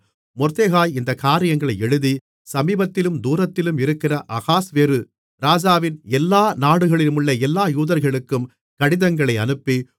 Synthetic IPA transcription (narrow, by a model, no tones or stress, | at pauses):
mɔɾt̪eːɣaːjɪnd̪ɐkaːɾɪjɐŋɡɐɭɐɪɛɻɯði | sɐmiːbɐt̪ːɪlɯmd̪uːɾɐt̪ːɪlɯmɪɾɯkːɪrɐʔɐɣaːsʋeːɾɯ | ɾaːd͡ʒaːʋɪnɛlːaːnaːɽɯɣɐɭɪlmɯɭːɐɛlːaːjuːðɐɾɣɐɭɯkːɯm | kɐɽɪðɐŋɡɐɭɐɪɐnɯpːi